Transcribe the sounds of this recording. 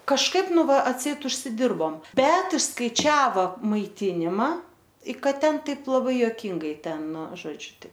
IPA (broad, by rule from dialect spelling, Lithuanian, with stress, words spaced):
kɐʃˈkɐɪp ˈnʊ ˈʋɐ ɐtʲˈsʲɛɪt ʊʃʲsʲɪˈdʲɪrboːm ˈbʲɛt ɪʃskɐɪˈt͡ʃʲæːʋɐ mɐɪˈtʲɪnʲɪmɐ ɪ ˈkɐt ˈtʲɛn ˈtɐɪp lˠɐˈbɐɪ joːˈkʲɪŋɡɐɪ ˈtʲɛn ˈnʊ ˈʒoːd͡ʒʲʊ tɐɪ